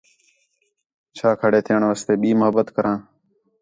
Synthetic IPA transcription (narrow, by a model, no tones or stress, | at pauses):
t͡ʃʰaːkʰəɽeːt̪ʰɪjəɳʋaːst̪eːɓiːmʊɦəbət̪kəɾãː